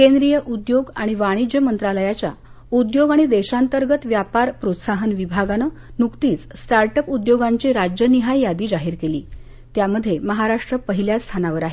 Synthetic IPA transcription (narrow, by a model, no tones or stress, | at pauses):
kend̪ɾijəʔud̪joɡaɽ̃iʋaɽ̃id͡ʑjəmənt̪ɾaləjat͡ɕja | ud̪joɡaɽ̃id̪eɕant̪əɾɡət̪ʋjapaɾpɾot̪saɦənʋibʱaɡanənukt̪iːt͡ssʈaɾʈəpud̪joɡaɲt͡ɕiɾad͡ʑjəniɦajjad̪iːd͡zaɦiːɾkeliː | t̪jaməd̪ʱːjeməɦaɾaʂʈɾəpəɦiljast̪ʰanaʋəɾaɦe